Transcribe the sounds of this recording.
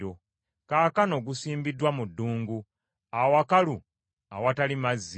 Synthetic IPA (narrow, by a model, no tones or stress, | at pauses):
o | kaːkano̞ɡusiːmbidwamudːuːŋɡu | awakalu | awatalimazː